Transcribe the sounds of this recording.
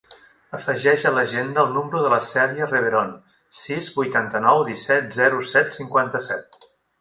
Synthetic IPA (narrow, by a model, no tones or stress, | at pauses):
əfəʒɛʒələʒend̪əːlˠnumɾuðələsɛðiərəβeɾon | sizbujt̪ant̪ənɔwðisɛt̪̚zɛɾusɛt̪siŋkwant̪əsɛt̪̚